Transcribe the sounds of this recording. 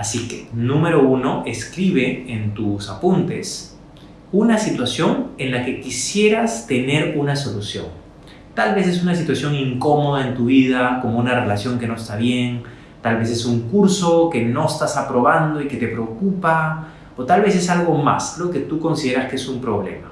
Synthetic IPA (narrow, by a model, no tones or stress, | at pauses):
asikenũmeɾo̞uno̞ʔeskɾiβ̞e̞ːnt̪usapunt̪e̞̰s | unasit̪wasjo̞ŋenlake̞kisje̞ɾast̪e̞ne̞ɾunaso̞lusjo̞̰ŋ | t̪alβe̞s̬e̞s̬unas̬it̪wasjo̞ŋiŋko̞mo̞ð̞aent̪uβið̞ako̞mounare̞lasjo̞ŋke̞no̞est̪aβje̞ŋ | t̪alβe̞s̬e̞suŋkuɾso̞ke̞no̞est̪asapɾo̞βand̪o̞ike̞t̪e̞pɾeokupa | ot̪alβe̞s̬e̞salɣo̞ma̰slo̞ke̞t̪uko̞nsið̞e̞ɾaskeesumpɾo̞β̞le̞̰ma